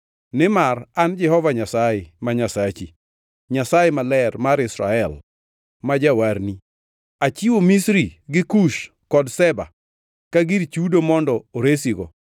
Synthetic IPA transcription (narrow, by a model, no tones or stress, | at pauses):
nɪmarand͡ʒɛhɔvaɲasajɛmaɲasat͡ʃi | ɲasajɛmalɛrmaɾɪsɾa̰ɛl | mad͡ʒawaɾni | at͡ʃiwomisɾiɡɪkuʃ | kɔdsɛba̰ | kaɡiɾt͡ʃudomɔndɔoɾesiɡɔ